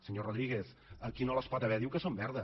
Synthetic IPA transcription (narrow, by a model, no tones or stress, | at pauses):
səɲoroðɾiɣ̞es | əkinoləspɔt̪əβɛðiwkəsombɛɾðə